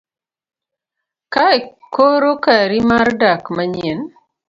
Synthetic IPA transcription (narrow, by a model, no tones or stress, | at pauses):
kaekoɾokaɾimaɾdakmaɲjɛn